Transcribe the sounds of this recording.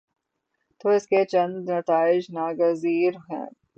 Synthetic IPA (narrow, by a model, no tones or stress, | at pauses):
t̪oːɪsket͡ʃɐ̃nd̪nɐt̪aːɪd͡ʒnaːɡəziːɾɦɛ̰̃ː